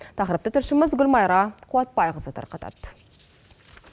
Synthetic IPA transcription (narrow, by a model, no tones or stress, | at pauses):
t̪ʰɑqɾəp̚t̪ət̪ʰɪɾʃɪmɪzɡʊlmɑjɾɑqʰuwɑt̪̚pɑjʁəzət̪ʰɑ̰ɾqɑt̪ʰɑ̰d̪